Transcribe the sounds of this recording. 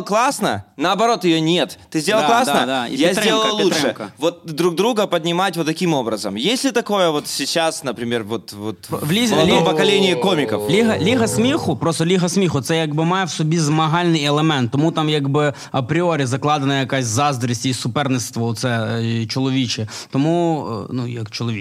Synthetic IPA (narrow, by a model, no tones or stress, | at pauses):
klˠasnə̰nɐɐbɐɾo̞t̪jɪjonʲet̪t̪ːɨzʲdʲelˠlˠk̪lˠasnəjazʲelˠəlˠlˠuʂʂɨkvot̪̚d̪ɾuɡ̚d̪ɾuɡəpəd̪ʲnʲɪmatʲvot̪ːɐkʲimo̞bɾəzə̰mjesʲlʲɪt̪ɐko̞jəvot̪sʲɪt͡ɕːasnəpɾʲɪmʲervot̪vot̪ʋlʲilʲmpɐkɐlʲenʲɪikomʲɪkəflʲiɦɐlʲiɦɐsmʲixʊpɾost̪ɔlʲiɦɐsmʲixʊt̪sɛjaɡbɨmɑjɛwsɔbʲizmɐɦɑlʲnɪjɛlˠemɛnt̪ːɔmut̪amjaɡbɪ | ɐpɾʲɪoɾʲizɐklˠɑd̪ɐnɐjɐkasʲzɑzd̪ɾɐsʲtʲiisʊpɛrnɪst̪ʋɔɔt̪sɛt͡ʃɔlˠɔʋʲit͡ʃɛ | t̪ɔmṵnujɐkt͡ʃɔlˠɔʋʲi